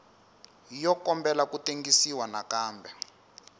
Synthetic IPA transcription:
jɔkɔmbɛlakuteŋɡisiwanakaːmbɛ

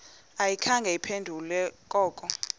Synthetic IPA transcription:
ajikʰaŋɡʱɛipʰendʱulɛkʼɔːkʼɔ

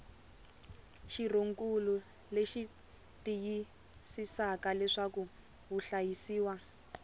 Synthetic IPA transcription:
ʃiroŋkʼulu | leʃi | tiji | sisakalɛʂaku | ɦuɬajisiːwa

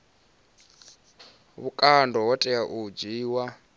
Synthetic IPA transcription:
βukʼandɔwɔtʼɛaʔud͡ʒiːwa

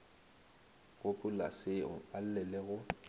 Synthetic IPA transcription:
ɣʊpʼʊla̰sɪʊ̰al̩lɛlɛɣʊ

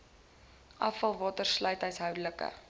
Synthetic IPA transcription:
ʔɐfɐlˠvɑːtərslœɥtœɥsɦœwdələkə̰

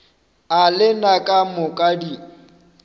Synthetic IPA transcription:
alɪnakʼamʊkʼadi

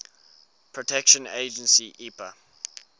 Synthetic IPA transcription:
pʰɹɔtʰɛkʃə̃nḛɪd͡ʒə̃nsiʔipə

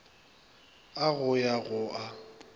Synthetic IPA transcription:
aɣʊjaɣʊʔa

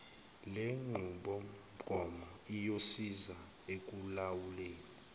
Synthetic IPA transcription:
leŋ͡ǃʱuɓɔ | ɡ̥ʱɔmɔ | ijosiza | ek̬ʼulawuleːli

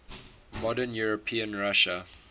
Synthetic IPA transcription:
mɔdənjuɹɔpʰĩə̃nɹaʃə

